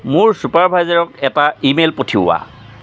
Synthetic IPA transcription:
mʊɹsupaɹbʱajzaɹɔk̚ɛtaimelpotʰiʊwa̰

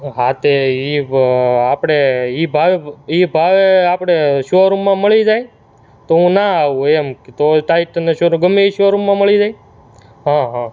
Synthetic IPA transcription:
ɦat̪ei | apɽ̃eibʱaʋeibʱaʋeapɽ̃eʃoɾũmːãməɭid͡ʒaj | t̪oɦũnaaʋũemkt̪oʈaiʈneʃoɾ̃ɡəmeiʃoɾumːãməɭid͡ʒaj | ɦãɦã

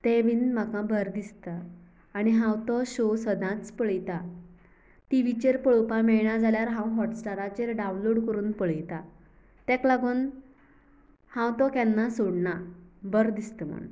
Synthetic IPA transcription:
t̪ebiːnmakãbəɾd̪ist̪ə | aɽ̃iɦãwt̪ɔɕosəd̪ʱãt͡spəɭjt̪a | t̪iʋit͡ɕeɾpəɭopamɛɭɳad͡zaljaɾɦãwɦɔʈsʈaɾat͡ɕeɾɖawnloɽkəɾuːnpəɭəjt̪a | t̪ɛ̃klaɡuːn | hãwt̪ɔkɛnːasoɽɳabəɾd̪ist̪əm̤ə̰ɳ

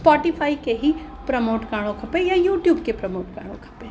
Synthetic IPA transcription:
spɔːʈifʰaːikeɦi | pɾɐmoːʈkaːɽ̃õkʰɐpẽjajuːʈjuːbkepɾɐmoːʈka̰ːɽ̃õ̰kʰɐ̥pẽː

